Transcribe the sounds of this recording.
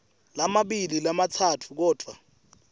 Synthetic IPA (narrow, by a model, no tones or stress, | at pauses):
lamaɓililamatʰatʰu̥k̬ɔːd̥ʱwa